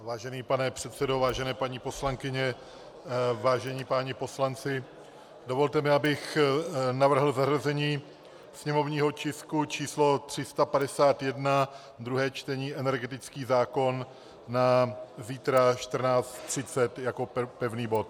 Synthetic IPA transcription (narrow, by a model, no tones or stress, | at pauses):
vaːʒɛniːpanɛpr̥ɛt̪sɛdo̞vaːʒɛnɛːpaɲipo̞slaŋkɪɲɛ | vaːʒɛɲiːpaːɲɪpo̞slant͡sɪ | dovo̞lt̪ɛmɪabɪxnavr̩ɦl̩zarazɛɲiː | sɲɛmovɲiːɦo̞t͡ʃɪskut͡ʃiːslo̞t̪r̝̥ɪst̪apadɛsaːt̪jɛdna | d̪ɾuɦɛːt͡ʃt̪ɛɲiːʔɛnɛɾɡɛt̪ɪt͡skiːzaːko̞nː | aziːt̪ɾaʃt̪r̩naːt͡st̪t̪r̝̥ɪt͡sɛt̪jako̞pɛvniːbo̞t̪̚